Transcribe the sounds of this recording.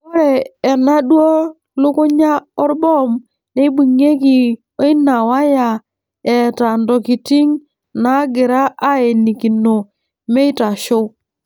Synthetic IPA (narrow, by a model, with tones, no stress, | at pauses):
ɔ˦ɾɛː˨na˦dwo˦ | lʊ˦kʊ˦ɲa˦ɔ˦ɾbɔ˦m | ne˦bu˨ŋe˦ki˨ | o˦i˦na˨wa˦ja˨ | ɛ˨ta˨ndɔ˨ki˨ti˦ŋ | na˨˦ɡɪ˨ɾa˦ʔa˦e˨ni˨ki˨no˨ | me˦i˦ta˨ʃo˦